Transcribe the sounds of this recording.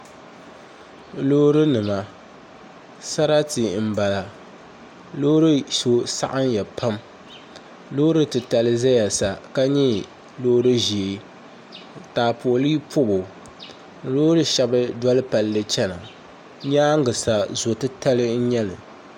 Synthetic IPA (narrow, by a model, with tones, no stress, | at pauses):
loː˦ɾɨ˦nɨ˨ma˨ | sa˦ɾa˦ti˨m̩˨ba˨la˨ | loː˦ɾɨ˦so˨sa̰˦ʔa˦njɛ˨pʰa˦m | loː˦ɾɨ˦tɨ˨ta˨lɨ˦za˦ja˨sa˨ka˦ɲɛ˦ | loː˦ɾɨ˦ʒi˨e˨ | taː˨po˨liː˦pʰʊ˦bʊ˨˦ | loː˦ɾɨ˦ʃɛ˨bɨ˦dɔ˦lɨ˦pa˨lːɨ˦t͡ʃɛ˦na˨ | ɲaː˦ŋ˦ɡɨ˨sa˨zo˨tɨ˦ta˦lɨ˦n̩˦ɲɛ˦lɨ̰˨